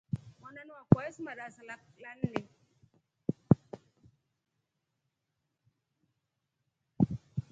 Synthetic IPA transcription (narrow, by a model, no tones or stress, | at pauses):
wɔnanwakɔɛsmaɾasalalan̩ne